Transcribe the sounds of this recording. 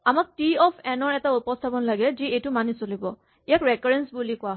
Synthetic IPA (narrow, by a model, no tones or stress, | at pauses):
amak̚tiɔpʰɛnɔɹɛtaupɔstʰabɔnlaɡɛziejtʊmanisolibɔ | ijakɹɛkɔɹɛnsbulikʊwaɦ